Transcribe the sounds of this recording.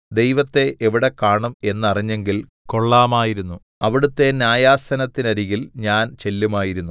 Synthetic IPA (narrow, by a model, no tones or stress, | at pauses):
d̪e̞jʋɐt̪ːe̞ʔːʋiɽe̞kaːɳume̞nːɐriɲːe̞ŋɡil | ko̞ɭːaːmaːjiɾunːu | ɐʋiɽut̪ːe̞njaːjaːsɐnɐt̪ːinɐɾiɣilɲaːnt͡ɕe̞lːumaːjiɾunːu